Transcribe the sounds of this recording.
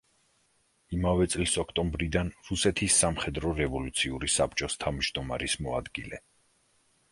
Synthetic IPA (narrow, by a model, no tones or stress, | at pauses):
imavɛt̪sʼlisɔkʰt̪ʼɔmbɾid̪anɾusɛt̪ʰisːamχɛd̪ɾɔɾɛvɔlut̪sʰiuɾisapʰt͡ʃʼɔst̪ʰamd͡ʒd̪ɔma̰ɾismɔad̪ɡilɛ